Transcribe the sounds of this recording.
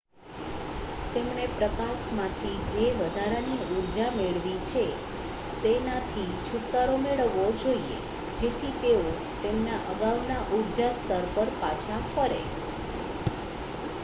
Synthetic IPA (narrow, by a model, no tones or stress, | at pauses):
t̪emnepɾəkasmãt̪ʰid͡ʒeʋəd̪ʱaɾaniuɾd͡ʒameɭʋit͡ʃʰe | t̪enat̪ʰi | t͡ʃʰuʈkaɾomeɭəʋːod͡ʒoiḛ | d͡ʒet̪ʰit̪eo | t̪emnaʔəɡaʋnaʔuɾd͡ʒast̪ʰəɾpəɾpat͡ʃʰafəɾḛ